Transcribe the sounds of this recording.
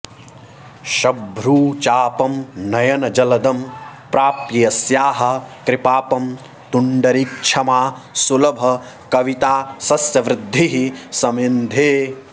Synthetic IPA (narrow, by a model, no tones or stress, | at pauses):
ʃɐbʱɾuːt͡ʃaːpɐmnɐjɐnɐd͡ʒɐlɐd̪ɐmpɾaːpijɐsjaːɦɐ̆kɾɪpaːpɐm | t̪uɳɖɐɾik̚t͡ʃʰɐmaːsulɐbʱɐ | kɐʋit̪aːsɐsjɐʋɾɪd̪ʱːiɦisɐmend̪ʱeː